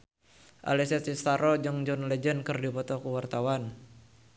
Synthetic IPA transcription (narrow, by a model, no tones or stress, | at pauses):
ʔa̰lɛsɛist̪aɾɔd͡ʒɨŋd͡ʒɔnled͡ʒənkɨrdipɔt̪ɔkuwart̪awan